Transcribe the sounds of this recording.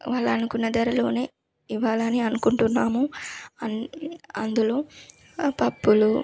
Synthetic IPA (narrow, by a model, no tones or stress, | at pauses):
ʋaːɭːɐːnukunːɐd̪ɐɾɐlo̞̰ːne̞ː | iʋaːlɐniɐnukuɳʈunːaːmuɐnɐnd̪ulo̞ː | pɐpːulu